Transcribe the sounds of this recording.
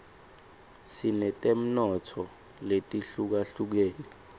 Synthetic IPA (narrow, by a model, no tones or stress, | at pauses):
sinɛtʼem̩nɔtʰɔ | letʼiɬuk̬aɬuk̬eːni